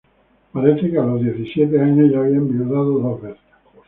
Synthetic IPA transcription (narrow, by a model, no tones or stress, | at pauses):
paɾeθekealozðjeθisjet̪̬eaɲezʝaːβiambiuðaðoðozβeθe̥s